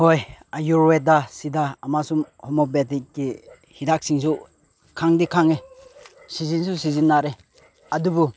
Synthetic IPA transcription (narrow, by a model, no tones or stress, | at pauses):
hojajuɾwedasidaamasumhɔmɔbetikːi | hidak̚siŋsu | kʰaŋdikʰaŋe | sizinsusizinːaɾe | ɐdubu